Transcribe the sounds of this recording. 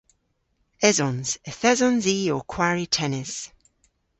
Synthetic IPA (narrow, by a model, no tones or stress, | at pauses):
ɛzɔnz̥əθɛzɔnziːokʰw̥aɹitʰɛnɪz̥